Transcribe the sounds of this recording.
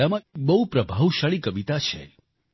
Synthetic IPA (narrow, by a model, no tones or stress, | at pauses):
amãbəɦupɾəbʱaʋʃaɭikəʋit̪at͡ʃʰḛ